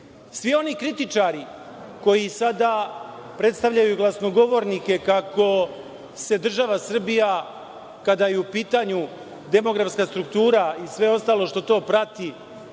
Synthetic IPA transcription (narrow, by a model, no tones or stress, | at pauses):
sʋio̞nikɾit̪it͡ʃaɾi | ko̞jisad̪a | pɾe̞t̪st̪aʋʎajuɡlˠasno̞ɡo̞ʋo̞ɾnike̞kako̞ | se̞d̪r̩ʒaʋasr̩bija | kad̪ajeupiːt̪aɲu | d̪e̞mo̞ɡɾafskaːst̪ɾukt̪uːɾaisʋe̞o̞st̪aːlˠo̞ʃt̪o̞t̪o̞ːpɾat̪i